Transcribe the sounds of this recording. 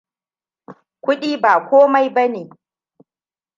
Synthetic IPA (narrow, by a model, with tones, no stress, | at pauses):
kʷʊ˦ɗiː˦baː˨kʷoː˦ma˦jbɐ˦neː˨